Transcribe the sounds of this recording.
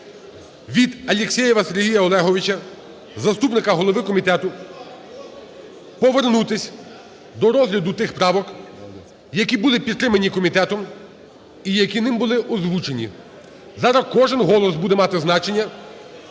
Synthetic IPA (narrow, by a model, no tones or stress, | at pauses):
ʋʲid̪ɐlʲeksʲɛjɛʋɐseɾʲɦʲijɐɔlˠɛɦɔʋʲɪt͡ʃɐ | zɐst̪upnɪkɐɦɔlˠɔʋɪkɔmʲit̪ɛt̪ʊ | pɔʋernut̪ɪsʲ | d̪ɔɾɔzɦlʲɐd̪ʊt̪ɪxpɾɑʋɔk | jɐkʲibʊlˠɪpʲid̪t̪ːɾɪmɐnʲikɔmʲit̪ɛt̪ɔm | ijɐkʲinɪmbʊlˠɪʔɔzʋut͡ʃenʲḭ | zɑɾɐkɔʒɪnɦɔlˠɔsbud̪ɛmɑt̪ɪznɑt͡ʃenʲːɐ